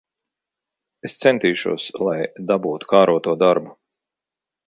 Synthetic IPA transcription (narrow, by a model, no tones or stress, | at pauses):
est̪sɛnt̪iːʃṵɔslˠajd̪abuːt̪u̥kaːɾuɔt̪uɔd̪aɾbu